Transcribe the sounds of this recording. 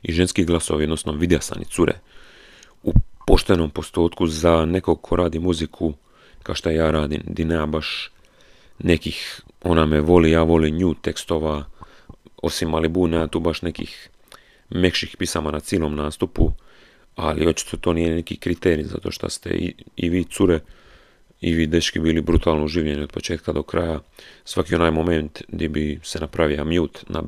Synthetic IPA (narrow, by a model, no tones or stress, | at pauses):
iʒenskiɡlˠasoʋiod̪nosnoʋid̪jasa̰nḭt̪suɾḛ | upo̞ʃt̪eno̞mpo̞st̪oːt̪kuzane̞koɡkʰo̞ɾʔaːd̪imuzikʰu | kaʃt̪ojaːɾaːd̪ḭmd̪ineabaʃ | ne̞kixo̞nameʋo̞lijaːʋo̞liːɲuːt̪e̞kst̪o̞ʋa | o̰simːalibuːnat̪uːbaʃne̞kḭx | me̞kʃixpisamanat̪siːlo̞ːmnaːst̪upu | a̰lio̞t͡ʃi̥t̪ʰot̪oniːjenekikɾit̪eːɾiza̰t̪o̞ːʃt̪a̰st̪ḛḭḭʋiːt̪suɾe | iʋiːd̪eʃkibiːlibɾut̪aːlnouʒiːʋʎenio̞d̪po̞t͡ʃe̞ːt̪kad̪o̞kɾajasʋakionaːjmo̞ment̪d̪ibisenapɾaʋiomjuːt̪nʔa̰